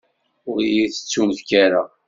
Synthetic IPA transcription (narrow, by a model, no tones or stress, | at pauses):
ʊɾijiθə̥t͡sːumθkaɾa